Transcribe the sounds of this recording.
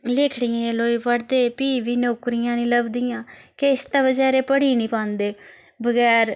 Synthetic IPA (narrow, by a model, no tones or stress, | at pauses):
lɪkʰɽijãːloːiːpəɽd̪eːpiːʋiːnoːkɾɪjãːnĩːləbd̪ijãːkeɪst̪ãːbəd͡ʒɛːɾeːpəɽiːnĩːpãːnd̪eː | bəɡɛːɾ